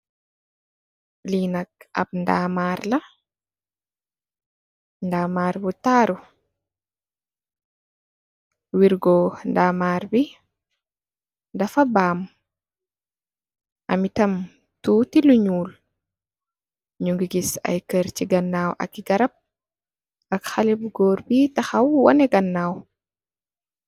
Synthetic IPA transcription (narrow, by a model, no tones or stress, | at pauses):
linak̚a̰b̚ndaːmaːɾla | ndaːmaːɾwutaːɾu | wiɾɡɔndaːmaːɾbi | dafabaːm | ʔamitam | tuːtiluɲuːl | ɲuŋɡiɡisa̰jkəɾt͡ʃiɡanːaːwʔa̰kːiɡaɾab̚ | akxalibɡɔːɾbitahawwɔ̰nɛɡanːaːwɔ